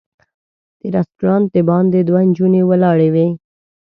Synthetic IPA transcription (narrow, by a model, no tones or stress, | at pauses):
d̪̥eɾasʈuɾɑnt̪̚d̪ebɑnd̪ed̪wand͡ʒunewəlɑɽewe